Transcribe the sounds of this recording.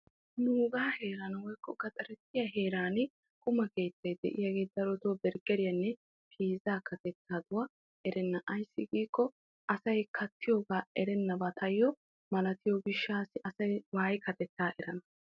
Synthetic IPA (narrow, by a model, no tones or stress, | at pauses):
nuːɡaːhe̞ːɾɐnɐwɔjkːɔɡɐt̪ʼɐɾɛt̪ːɪjɐɦe̞ːɾaːn | kʰʼʊmɐke̞ːt̪ːɐjd̪ɛ̰ʔɪ̰jɐɡe̞ːt̪̚d̪ɐɾɔt̪oːbɛɾɡɛɾɪjɐnːɛ | pʰiːzaːkɐt̪ɛt̪ːaːd̪ʊwɐ | ʔɛɾɛnːɐʔɐjsːɪɡiːkːɔ | ʔɐsɐjkʰɐt̪ʰːɪjoːɡaːɛɾɛnːɐbɐt̪ʰɐjːɔ | mɐlɐt̪ɪjɔɡɪʃːaːsɪʔɐsɐjwaːjkʰɐt̪ɛt̪ːaːʔɛɾɐnɐ